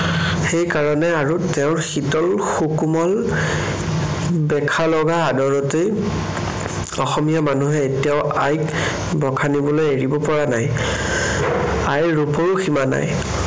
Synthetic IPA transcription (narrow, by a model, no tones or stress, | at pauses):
xejkaɹɔnɛaɹuteʊ̃ɹxitɔlxukumɔl | bɛkʰalɔɡaːdɔɹɔtej | ɔxɔmijamanuɦɛːtijaʊajk | bɔkʰanibɔlojeɹibɔpɔɹanaj | ajɹupɔɹuximana̰j